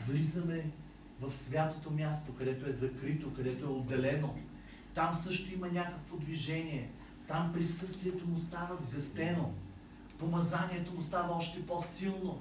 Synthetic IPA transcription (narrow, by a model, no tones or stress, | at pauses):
vlizəmɛ | vɐfsvʲjat̪ot̪omʲjast̪okɐd̪ɛt̪oɛzɐkɾit̪okɐd̪ɛt̪oɛod̪ːɛlɛno | t̪amsɤʃt̪oimɐnʲakəkvod̪viʒɛniɛ | t̪ampɾisɤst̪viɛt̪omʊst̪avəzɡɐst̪ɛno | pomɐzanʲiɛt̪omʊst̪avɐɔʃt̪ɛposilˠno